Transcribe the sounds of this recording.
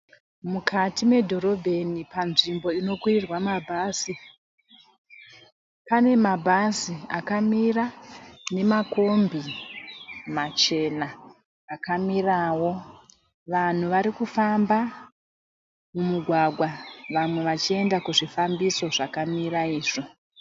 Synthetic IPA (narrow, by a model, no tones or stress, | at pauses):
mukatimwe̞dʱo̞ɾo̞bʱe̞nipanʐimbo̞ino̞kwirirwamabʱaːsi | pane̞mabʱasiakamirane̞mako̞mbi | mat͡ʃe̞naː | kamirawo̞ | ʋan̤uʋaɾikufamba | mumuɡʱwaɡʱwaʋamwe̞ʋat͡ʃie̞ndakuʐifambiso̞ʐakamiɾaiːʐo